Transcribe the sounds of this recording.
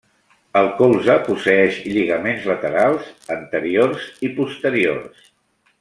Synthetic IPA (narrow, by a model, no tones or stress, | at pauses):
əlˠkolˠzəpusəɛʃʎiɣəmenzlət̪əɾalˠzənt̪əɾiorzipust̪əɾio̰rs